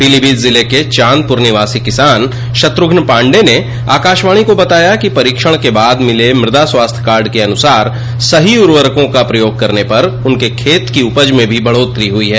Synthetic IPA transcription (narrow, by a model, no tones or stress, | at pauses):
pilibiːd̪zɪleket͡ʃãːn̚pʊɾnɪʋaːsikɪsaːn | ʃɐt̪ɾʊɡʱnpãːɳɖene | a̰ːkaːʃʋãːikobɐt̪aːjakipɐɾiːkʃəɽ̃kebaːd̪mɪlemɾɪd̪aswaːst̪ʰəkaːɾɖkeɐnʊsaːɾ | sɐɦiʊɾʋəɾkõkapɾɐjoːɡ̚kɐɾnepɐɾʊnkekʰeːt̪kiʊpəd͡ʒmẽbʱibʱɐɭoːt̪ɾiɦʊiɦɛː